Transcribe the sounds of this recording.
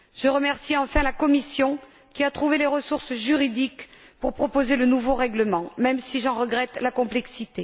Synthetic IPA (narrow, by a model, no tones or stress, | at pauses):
ʒəʁəmɛʁsiɑ̃fɛ̃lakɔmisjɔ̃ | kʲiat̪χuveleʁəsuʁsʒyʁid̪ikpuʁpχɔpozelənuvoʁɛɡləmɑ̃mɛmsiʒɑ̃ʁəɡʁɛt̪lakɔ̃plɛksit̪e